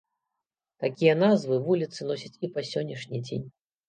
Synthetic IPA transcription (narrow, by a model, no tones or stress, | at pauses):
t̪akʲijɐnazvɨvulʲit̪sɨnɔsʲɐt͡sʲipasʲɔnʲːiʂnʲid͡zʲḛnʲ